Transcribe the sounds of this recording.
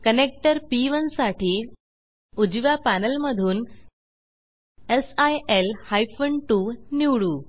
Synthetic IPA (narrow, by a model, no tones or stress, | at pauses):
kənek̚ʈəɾpiʋənsaʈiː | ud͡ʑʋjapænəlməd̪ʱuːn | esajelhajfəɳʈuniʋɽuː